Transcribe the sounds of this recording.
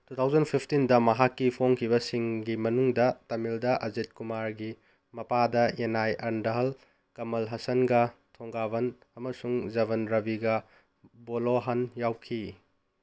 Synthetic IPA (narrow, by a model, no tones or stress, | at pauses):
tutʰawzɐnpʰipʰtindɐmɐɦakːipʰoŋkʰiβɐsiŋɡimɐnuŋdɐtɐmildɐʔɐzet̚kumaɾɡi | mɐpadɐenajɐɾndɐɦɐl | kɐmɐlɦɐsɐnɡɐtʰoŋɡaβɐn | ɐmɐsuŋzɐβɐnɾɐbiɡɐ | boloɦɐnjawkʰi